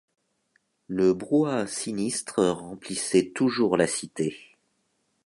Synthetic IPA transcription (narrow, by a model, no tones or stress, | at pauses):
ləbʁwasinist̪χəʁɑ̃plisɛt̪uʒuʁlasit̪e